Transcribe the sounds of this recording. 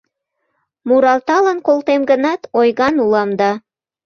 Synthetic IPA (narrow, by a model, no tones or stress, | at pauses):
muɾɑlt̪ɑlənkolˠt̪emɡə̆nɑt̪ojɣɑnulɑmd̪ɑ